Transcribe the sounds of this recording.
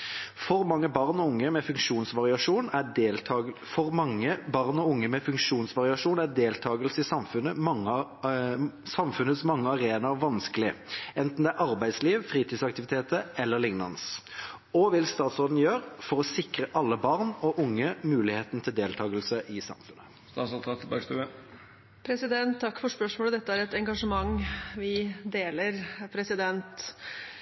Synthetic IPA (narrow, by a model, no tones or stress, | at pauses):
fɔɾmɑŋːəbɑʁnɔʊŋːəmɛfʉŋkʂuːnsʋɑʁɪɑʂuːnælʰɑfɔɾmɑŋːəbɑʁnɔʊŋːəmɛfʉŋkʂuːnsʋɑʁɪɑʂuːnæd̪eːlt̪ʰɑːɡəlsəɪsɑmfʉnəm | sɑmfʉnət̪smɑŋːəɑʁeːnɑʋɑnskəlɪɛnt̪n̩d̪ɛæɾʔɑʁbæɪd̪sliːʋfʁiːt̪ʰiːsɑk̚t̪ɪʋɪt̪ʰeːt̪əɛlːəʁlɪŋnɑ̰ns | ɔʋɪlst̪ɑːt̪sʁoːd̪n̩jøːɾfɔʁɔsɪkʁəʔɑlːəbɑʁnɔʔʊŋːəmʉːlɪheːt̪n̩t̪ʰɪld̪eːlt̪ʰɑːɡəlsəʔɪsɑ̰mfʉnə | st̪ɑːt̪sɔt̪ɑt̪ʰbɑst̪ʉːə | pʰɾɛsɪd̪ɛnt̪ʰːɑkːfɔʂpœʂmoːləd̪ɛt̪ːəæɾɛt̪ɛŋɡɑʂəmɑŋʋɪd̪eːləɾpʰɾɛsɪd̪ɛnt̪